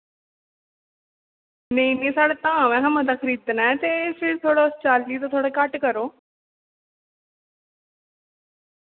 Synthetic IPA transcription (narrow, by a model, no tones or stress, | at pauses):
neĩːnẽːsaːɽeːt̪ãːʋɛ̃ːkəməd̪aːkʰɾiːt̪naɛt̪eːfʰɪɾt̪ʰoːɽaːʊst͡ʃaːltiːt̪̬ãt̪ʰoːɽaːkəʈkəɾoː